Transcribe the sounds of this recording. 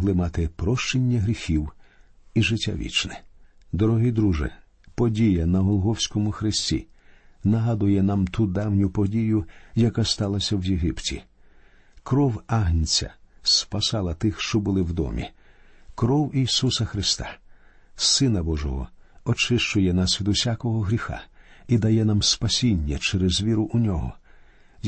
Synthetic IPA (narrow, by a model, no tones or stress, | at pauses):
ɦlˠɪmɑt̪ɪpɾɔʃt͡ʃenʲːɐɦɾʲixʲiwiʒɪtʲːa̰ʋʲḭt͡ʃnɪd̪ɔɾɔɦijd̪ɾuʒɪ̰ | pɔdʲijɐnɐɦɔlˠɦɔwsʲkɔmʊxɾɪsʲtʲḭ | nɐɦad̪ʊjɛnamt̪ʰud̪ɑwnʲʊpɔdʲijʊjɐkast̪ɑlˠɐsʲɐwjeɦɪptʲḭ | kɾɔwaɦnʲt͡sʲɐ̰spɐsɑlˠɐt̪ɪxʃt͡ʃɔbʊlˠɪwd̪ɔ̰mʲḭ | kɾɔwijsusɐxɾɪst̪a̰ | sɪnɐbɔʒɔ̰ɦɔ̰ɔt͡ʃɪʃt͡ʃʊjɛnasʲʋʲid̪ʊsʲakɔɦɔɦɾʲixa̰id̪ɐjɛnamspɐsʲinʲːɐt͡ʃɛɾɛzʋʲiɾʊʔʊnʲɔɦɔ